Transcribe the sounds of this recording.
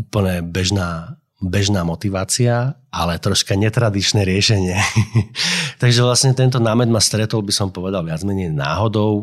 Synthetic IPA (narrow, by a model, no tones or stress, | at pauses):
upl̩ɲɛbɛʒnaː | bɛʒnaːmɔt̪iʋaːt͡siaʔalɛt̪ɾɔʃkaɲɛt̪ɾad̪it͡ʃnɛɾɪɛʃɛɲɪɛ | t̪aɡʒɛʋlasɲɛt̪ɛnt̪̬ɔnaːmɛd̪mast̪ɾɛt̪ɔlbisɔmpɔʋɛd̪alʋɪad͡zmɛɲɛjna̰ːɦɔd̪ɔʊ